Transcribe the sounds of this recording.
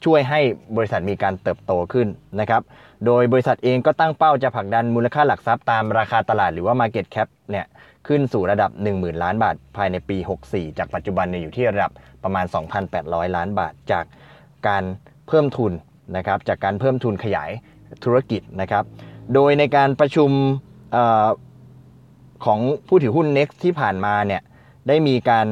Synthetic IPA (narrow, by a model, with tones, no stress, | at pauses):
t͡ɕʰu˥˩əjɦa˥˩jbɔː˧ɾi˦˥sa˨˩t̪̚miː˧kaː˧nt̪ɤː˨˩p̚t̪oː˧kʰɯ˥˩nːa˦˥kʰa˦˥p̚ | doː˧jbɔ˧ɾi˧˥sa˨˩t̪̚ʔeː˧ŋkɔː˥˩t̪a˥˩ŋpa˥˩wt͡ɕa˨˩pʰa˨˩k̚da˧nmuː˧la˧kʰaː˥˩la˨˩k̚sa˦˥p̚t̪aː˧mɾaː˧kʰaː˧t̪a˧laː˨˩t̪̚ɾɯː˩˦waː˥˩maː˧ke˨˩t̪̚kʰɛ˦˥p̚ni˥˩ɐ | kʰɯ˥˩nsuː˨˩ɾa˧da˨˩p̚nɯ˨˩ŋmɯː˨˩nlaː˦˥nbaː˨˩t̪̚pʰaː˧jna˧jpiː˧ho˨˩k̚siː˨˩t͡ɕaː˨˩k̚pa˨˩t̪̚t͡ɕu˨˩ba˧nːi˥˩juː˨˩iː˥˩ɾa˧da˨˩p̚ːɾa˧maː˧nsɔː˩˦ŋpʰa˧npɛː˨˩t̪̚ɾɔː˦˥jlaː˦˥nba̰ː˨˩t̪̚t͡ɕaː˨˩k̚ː | aː˧n | pʰɤː˥˩mt̪ʰu˧n | na˦˥kʰa˦˥p̚t͡ɕaː˨˩kːaː˧npʰɤː˥˩mt̪ʰu˧nkʰa˧ja̰ː˩˦j | t̪ʰu˦ɾa˧ki˨˩t̪̚na˦˥kʰɾa˦˥p̚doː˧jna˧jkaː˧npɾa˧t͡ɕʰu˧m | ʔəː˨˩ | kʰɔː˩˦ŋpʰuː˥˩t̪ʰɯː˩˦hu˥˩nːe˦˥k̚st̪ʰːiː˥˩pʰaː˨˩nmaː˧ni˥˩ə | daː˥˩jmiː˧kaː˧n